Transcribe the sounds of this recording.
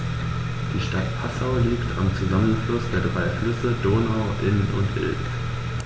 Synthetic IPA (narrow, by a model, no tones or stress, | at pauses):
d̥iːʃtatpʰasaʊliːktʰa̰mt͡suzamənflʊsd̥eːɐdʁaɪflʏsədoːnaʊʔɪnʊ̰ntɪ̰l